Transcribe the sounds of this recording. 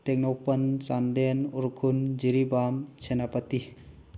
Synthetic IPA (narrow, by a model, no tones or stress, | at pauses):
t̪ek̚nowpɐnsand̪enuɾkʰund͡ʒiɾibamsenapət̪i